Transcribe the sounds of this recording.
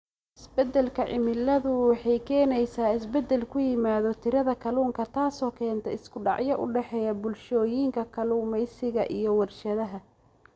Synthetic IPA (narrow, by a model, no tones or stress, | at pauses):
ɪsbɛd̪ɛlkʰɐʕɪmɪlɐðʊwɑħɑjkʰɛːnɛjsaːɪsbɛd̪ːɛlkʰʊjɪmaːðɔt̪ʰɪɾɐðɐkʰɐluːŋkʰɐt̪ʰaːsɔːkʰɛːnt̪ʰɛɪskʰʊɖɑ̰ʕjɐʔʊ̰ɖɛħɛːjɐbʊlʃɔːjiːŋkʰɐkʰɐluːmɛjsɪɣɐʔijɞwɐrʃɐðɐɦɐ